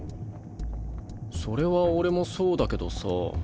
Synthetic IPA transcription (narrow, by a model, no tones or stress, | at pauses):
so̞ɾe̞βaoɾe̞mo̞so̞ːd̪ake̞d̪o̞so̰